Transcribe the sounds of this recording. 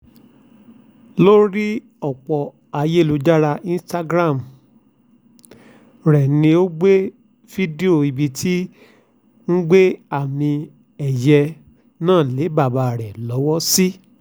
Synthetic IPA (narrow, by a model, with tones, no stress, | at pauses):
lo˦ɾi˦ | ɔ˦˨k͡pɔ˨ | a˧je˦˨lu˨˧d͡ʒa˦ɾa˧ĩ˦sta˦ɡɾã˦˨m˨ | ɾɛ˨nĩ˧o˦ɡ͡be˦ | fi˦di˦o˨i˨bi˧tʰi˦ | n̩˦ɡ͡be˦a˨mĩ˧ | ɛ˨jɛ˧ | nãː˦˨le˨˦ba˦˨ba˧˨ɾɛ˨lɔ˨˦wɔ˦si˦